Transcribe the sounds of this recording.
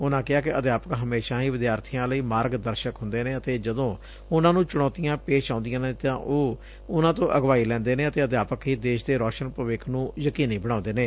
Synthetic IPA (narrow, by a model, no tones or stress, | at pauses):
ʊnãːkɪaːkɪəd̪jaːpəkɦəmeːʃãːɦiːʋɪd̪jaːɾt̪ʰijãːləiːmaːɾɡd̪əɾʃəkɦʊ̃nd̪eːnẽːət̪eːd͡ʒəd̪õː | ʊnãːnũːt͡ʃʊɽ̃ɔːt̪ijãːpeːʃãːnd̪ɪjãːnẽːt̪ãːʔoː | ʊnãːt̪õːʔəɡʋaːiːlɛ̃ːnd̪eːnẽːət̪eːəd̪jaːpəkɦiːd̪eːʃd̪eːɾɔːʃənpɾəʋɪknũːjəkiːniːbəɽãːnd̪eːnẽː